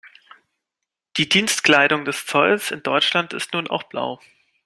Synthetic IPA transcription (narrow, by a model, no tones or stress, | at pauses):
d̥iːdiːnstkl̥aɪɾʊŋdɛst͡sɔlsɪndɔʏt͡ʃlantɪstnuːna̰ʊxb̥la̰ʊ